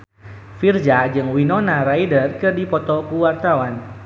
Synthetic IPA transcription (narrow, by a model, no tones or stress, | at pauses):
fird͡ʒad͡ʒɨŋwinɔnaɾaidərkɨrdipɔt̪ɔkuwart̪awan